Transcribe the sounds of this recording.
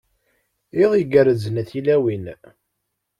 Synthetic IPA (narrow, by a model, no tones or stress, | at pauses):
iðˤiɡəɾəzənæθilæwin